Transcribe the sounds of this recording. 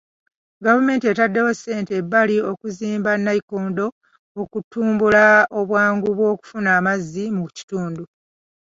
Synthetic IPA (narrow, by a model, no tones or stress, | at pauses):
ɡavume̞ːntie̞tadːe̞wosːe̞ːntebːalio̞kuziːmbanːaikoːndo̞ | okutːuːmbulao̞βwaːŋɡuβwo̞ːku̥funaːmazːimuci̥tuːndu